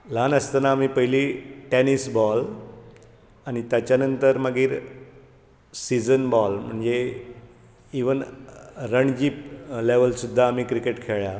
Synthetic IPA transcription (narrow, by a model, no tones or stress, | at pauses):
lanəst̪anaːmiːpəɦiliʈɛnisbɔl | aɽ̃it̪jat͡ɕjanənt̪əɾməɡiːɾ | sid͡zənbɔlm̤əɳd͡ze | iʋənɾəɳd͡ʑiːpleʋəlsud̪ʱːaːmiːkɾikeʈkʰeɭja